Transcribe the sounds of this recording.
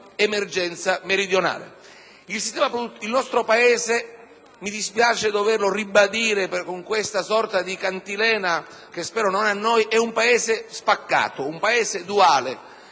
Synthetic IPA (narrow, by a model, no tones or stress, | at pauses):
emerd͡ʒɛnt̪sameɾid̪jona̰ːlḛ | ilsist̪ɛːmapɾuilnɔst̪ɾopaɛːze | mid̪ispjaːt͡ʃed̪overloribad̪iːɾepkoŋkwest̪asɔrt̪ad̪ikant̪ilɛːna | k̟espɛːɾononanːɔjʔɛumpaɛːzɪspakːa̰ːt̪oumpaɛːzed̪uaːle